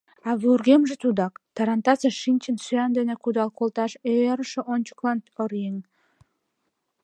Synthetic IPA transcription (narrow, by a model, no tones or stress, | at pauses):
ɑβuurɣemʒet̪ud̪ɑkt̪ɑɾɑnt̪ɑseʃinʲt͡ɕənsyænd̪enekud̪ɑlkolt̪ɑʃeeɾəʃeʔonʲt͡ɕə̥klɑnoɾjeŋ